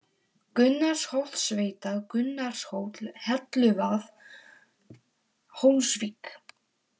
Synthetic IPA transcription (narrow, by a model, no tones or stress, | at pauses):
kʏnːaɾ̥showt̪sveːjt̪aðkʏnːaɾ̥showt̪lhɛt̪lʏvaθ | hownsviːk